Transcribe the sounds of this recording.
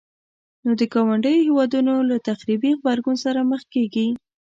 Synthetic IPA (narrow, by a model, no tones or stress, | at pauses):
nod̪əkɑwaɳɖəjohewɑd̪unolat̪axɾibiɣbaɾɡunsaɾaməxkeɡi